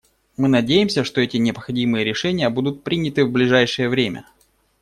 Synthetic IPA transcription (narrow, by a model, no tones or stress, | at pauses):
mɨnɐdʲejɪmsʲəʂt̪o̞ɛtʲɪnʲɪpxɐdʲimɨjəɾʲɪʂɛnʲɪjəbud̪ʊt̪̚pɾʲinʲɪt̪ɨvblʲɪʐajʂɨjəvɾʲemʲə̰